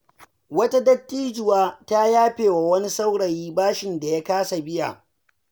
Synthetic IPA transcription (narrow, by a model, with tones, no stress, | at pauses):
wɐ˦ta˦dɐ˦tːiː˦d͡ʒɪ˨waː˦ta˦jaː˦ɸeː˨wa˨wɐ˦ni˦sa˦wɽɐ˨jiː˦baː˦ʃɪ˨nda˨ja˦kaː˦sa˨bɪ˦ja̰˨